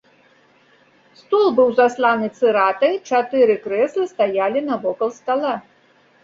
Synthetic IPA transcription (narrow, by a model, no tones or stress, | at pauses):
st̪ɔlˠbɨwzaslˠanɨt̪sɨɾat̪ɐjt͡ʂat̪ɨɾɨkɾɛslˠɨst̪ajalʲinɐvɔkɐlˠst̪alˠa